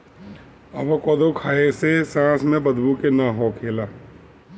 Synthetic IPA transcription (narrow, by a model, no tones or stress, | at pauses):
ɐʋakɔːd̪okʰaːesesãːsmẽbɐd̪bukenaɦokʰeːlaː